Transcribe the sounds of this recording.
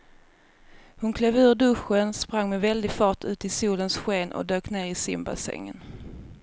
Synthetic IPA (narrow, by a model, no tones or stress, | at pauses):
hʊnkʰleːvʉ̟ːɖɵɧənspɾaŋːmɛvɛld̪ɪɡfɑːʈʉ̟ːt̪ɪsuːlənsɧeːnʔɔ̰d̪øːkneːɾɪsɪ̰mba̰sɛ̰ŋːə̰n